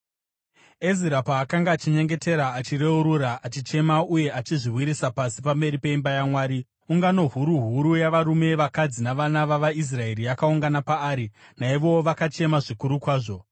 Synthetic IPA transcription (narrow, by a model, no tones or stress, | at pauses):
eziɾapaːkaŋɡaːt͡ʃiɲe̞ŋɡe̞te̞ɾaːt͡ʃire̞uɾuɾaʔat͡ʃit͡ʃe̞mauje̞ʔat͡ʃiʐiwiɾisapasi̥pambe̞ɾipe̞imbajamwaːɾi | uŋɡano̞ɦuɾuɦuɾujaʋaɾume̞ʋakad͡zinaʋanaʋaʋais̬rae̞ɾiakauŋɡanapaːɾinaiʋo̞ʋakat͡ʃe̞maʐikuɾukwaːʐo̞